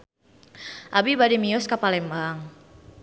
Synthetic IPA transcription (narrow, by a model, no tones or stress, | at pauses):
ʔabibadimiʊskapalɛmaŋ